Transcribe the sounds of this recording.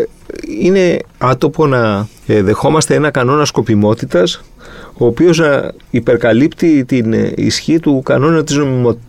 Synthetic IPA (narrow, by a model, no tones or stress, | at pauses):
ine̞ɐt̪o̞po̞nɐ | ðe̞xo̞mɐst̪e̞e̞nɐkɐno̞nɐsko̞pimo̞t̪it̪ɐs | o̞ːpio̞znɐ | ipe̞ɾkɐlipt̪it̪inḭsçit̪ukɐno̞nɐt̪izno̞mimo̞